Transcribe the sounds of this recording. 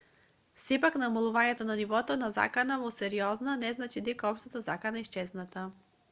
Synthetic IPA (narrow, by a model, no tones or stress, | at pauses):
fsɛpaknamɐlˠuvanɛt̪onanivɔt̪onaza̰kanavosɛɾiɔznənɛznat͡ʃid̪ɛkɔpʃt̪ət̪əza̰kanaɛist͡ʃɛznat̪ə